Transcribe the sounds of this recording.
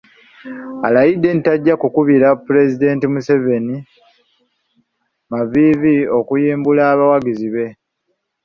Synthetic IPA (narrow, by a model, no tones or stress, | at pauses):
a̰lajidːe̞nitaɟːakukuβiɾapuɾe̞zide̞ːntimuse̞ve̞ni | mavivio̞kujiːmbulaːβawaɡiziβe̞